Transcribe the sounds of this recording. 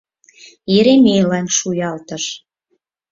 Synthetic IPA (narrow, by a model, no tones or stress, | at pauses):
jeɾemʲejlɑnʲʃujɑlt̪ə̆ʃ